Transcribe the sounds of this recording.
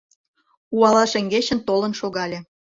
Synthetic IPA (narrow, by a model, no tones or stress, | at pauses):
uɑlɑʃĕŋɡet͡ɕə̆nt̪olə̆nʃoɣɑlʲe